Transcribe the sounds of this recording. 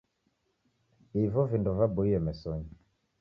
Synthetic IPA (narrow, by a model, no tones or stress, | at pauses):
ivɔvinduvabuiɛmɛsɔɲi